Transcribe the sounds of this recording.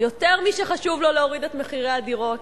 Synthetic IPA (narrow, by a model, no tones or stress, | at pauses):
jo̞t̪eʁmiʃeχaʃuvloleoʁidet̪me̞χiʁeadiʁo̞t